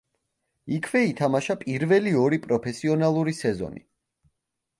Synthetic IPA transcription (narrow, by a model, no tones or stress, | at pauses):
ikʰvɛit̪ʰamaʃapʼiɾvɛliɔɾipʼɾɔpʰɛsiɔnalˠuɾisɛzɔ̰nḭ